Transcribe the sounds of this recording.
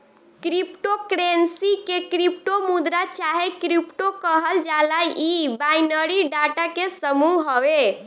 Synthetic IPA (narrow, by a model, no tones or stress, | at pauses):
kɾipʈokɾensikekɾipʈomud̪ɾat͡ʃaɦekɾipʈokəɦəld͡ʒalajibajnəɾiɖaʈakesəmuɦɦowe